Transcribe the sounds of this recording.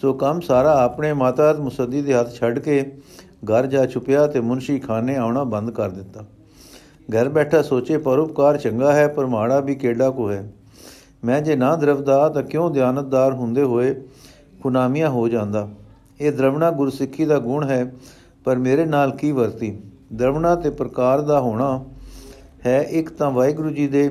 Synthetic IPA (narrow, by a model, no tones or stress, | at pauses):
soːkəmsaːɾaːəpɳeːmaːt̪aːt̪mʊsəd̪iːd̪eːɦət̪ʰːt͡ʃʰəɖkeː | ɡəɾd͡ʒaːt͡ʃʰʊpɪjaːət̪eːmʊnʃiːkʰaːneːaːʊɳaːbə̃nd̪kəɾd̪ɪt̪ːaː | ɡəɾbɛːʈʰaːsoːt͡ʃeːpəɾʊp̚kaːɾt͡ʃəŋɡaːɦɛːpəɾmaːɽaːbiːkeːɖaːkoːɦɛː | mɛ̃ːd͡ʒeːnãːd̪əɾəʋd̪aːt̪ãːkɪjõːd̪jaːnət̪̚d̪aːɾɦʊnd̪eːɦoːeː | kʊnaːmɪjãːɦoːd͡ʒãːnd̪aː | eːd̪ɾəʋɳaːɡʊɾsɪkʰːiːd̪aːɡʊɳɦɛː | pəɾmeːɾeːnaːlkiːʋəɾt̪iː | d̪əɾəʋɳãːt̪eːpɾəkaːɾd̪aːɦoːɳ̃aː | hɛːʔɪkt̪ãːʋaːjɡɾʊd͡ʒiːd̪eː